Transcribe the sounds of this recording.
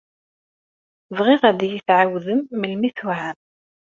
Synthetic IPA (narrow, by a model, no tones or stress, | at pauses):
vʁɪʁæd̪jiθʕawðəmːəlmiθʊʕan